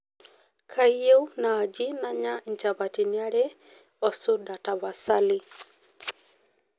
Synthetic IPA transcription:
kʰaijɛunaːd͡ʒinaɲaɲ̩t͡ʃaβatinaɾɛ | ɔsudataβasali

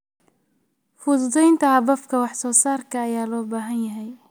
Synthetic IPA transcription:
fʊd̪ʊd̪ɛjnt̪ʰɐhɐbɐfkʰɐwɑħsɔːsaːrkʰɐːjaːlɔːbaːɦɐnjɐɦɛj

